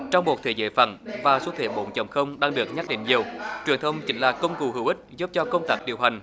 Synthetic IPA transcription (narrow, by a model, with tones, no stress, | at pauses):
t͡ɕɔ˧wŋ͡mmo˨˩t̚t̪ʰe˧˩zə̰ː˧˩jfə̰˧˩nvaː˨˩so˨˦t̪ʰe˧˩ɓo̰˧˨nt͡ɕə˨˩ŋ͡mxə˧wŋ͡mɗaː˧ŋɗɨ˨˩ək̚ɲə˦˥t̚ɗḭ˧˨ŋ̟ɲi˨˩əwt͡ɕwi˨˩ənt̪ʰə˧wŋ͡mt͡ɕï˨˦ŋ̟laː˨˩kə˧wŋ͡mku˨˩ɦɨ˧˩wʔï˦˥k̟̚zu˦˥p̚t͡ɕɔ˧kə˧wŋ͡mt̪aː˦˥k̚ɗi˨˩əwɦa˨˩ŋ̟